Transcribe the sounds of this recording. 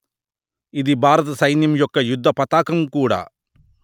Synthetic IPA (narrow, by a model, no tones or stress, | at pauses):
iðibʱaːɾɐt̪ɐsɐjnjɐmjɔkːɐjud̪ʱːɐpɐt̪aːkɐmkuːɽa̰